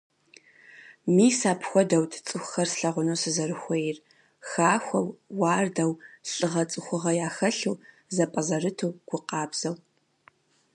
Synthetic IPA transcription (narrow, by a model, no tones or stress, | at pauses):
miːsaːpʰxʷɔdɐwtʰt͡sʼɨxʷʊxɐrsɬɐʁʷʊnoːsɨzɐɾɨxʷejɪr | xaːxʷɐwːɑːrdɐwɬʼɨʁɐt͡sʼɨxʷʊʁɐjaːxɐɬuː | zɐpʼɐzɐrɨtʰowɡ̥ʷʊqɑːbz̥ɐw